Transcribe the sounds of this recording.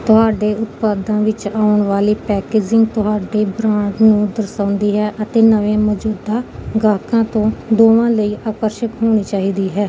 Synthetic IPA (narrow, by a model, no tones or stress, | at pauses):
t̪ʊɦaːɖeːʔʊt̪paːd̪ãːʋɪt͡ʃaːʊəɳʋaːliːpɛːkeːd͡ʒɪŋɡt̪ʊɦaːɖeːbɾãːɳɖnũːd̪əɾsãːʊnd̪iːɦɛːʔət̪eːnəʋẽːməd͡ʒuːd̪aːɡaːkãːt̪õːd̪oːʋãːləiːʔaːkəɾʃəkɦoːɽ̃iːt͡ʃaːɦiːd̪iːɦɛː